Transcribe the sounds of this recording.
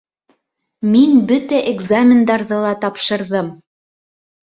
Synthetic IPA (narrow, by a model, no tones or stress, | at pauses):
minbɵt̪æʔeɡzamʲɪnd̪ɑɾðɤlˠɑt̪ɑpʃɤ̆ɾðɤm